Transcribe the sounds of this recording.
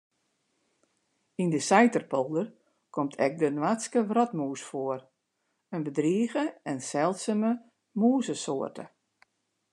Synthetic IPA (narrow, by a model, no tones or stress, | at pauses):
indəsɛjtərpolˠdər | kʰɔmtʰɛk̚dənwatskəʋrɔtmuːsfoər | ənbədriːɣəɛnsɛlˠtsəmə | muːzəsoərtʰə